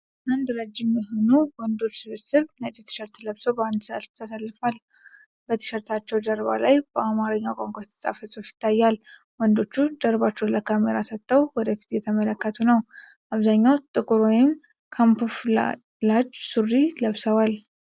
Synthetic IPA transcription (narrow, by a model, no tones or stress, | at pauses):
and̪ɾəd͡ʒːɪmɪɦɨnubwɔnd̪o̞t͡ʃːsɨβɨsɨβnət͡ʃʼːit̪ʰɨ̥ʃɛɾt̪ləβsəwbəand̪sɨa̰sft̪ʰəsalːɨfal | b̥ət̪ʰɨ̥ʃəɾt̪ʰat͡ʃːɛwd̪əɾβa̰lajb̥əʔamaɾəɲːakʷʼaŋkʷʼat̪ʰə̥sʼa̰fəsʼot͡ʃjɪ̥t̪ʰːajːal | wɔnd̪o̞t͡ʃːud̪əɾbat͡ʃːɛwnləkʰameɾasət̪ʼːəwwɔd̪əfi̥t̪jɛt̪ʰəmələkːət̪ʰunəw | ʔaβzaɲːawt̪ʼɨkʼɨɾojɪm | kʰampuf | lad͡ʒsurːiləβsəwal